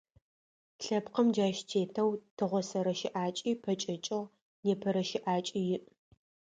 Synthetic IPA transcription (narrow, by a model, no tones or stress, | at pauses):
ɬɐpqɐmd͡ʒaːʃtʰeːtʰɐwtʰɨʁʷɔsɐɾɐʃɪʔaːt͡ʃʼiːpʰɐt͡ʃʼɐt͡ʃʼɐʁ | neːpʰɐɾɐʃɪʔaːt͡ʃʼijɪʔ